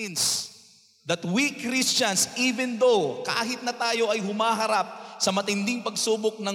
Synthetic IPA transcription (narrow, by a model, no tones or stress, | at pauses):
ns | d̪ɐt̪wikɾist͡ʃɐnsʔiːvɛnd̪oka̰ːɦɪt̪̚nɐt̪aːjo̞ʔɐjɦʊmaːɦɐɾap̚sɐmɐt̪ɪnd̪ɪŋpɐɡsuːbok̚nɐ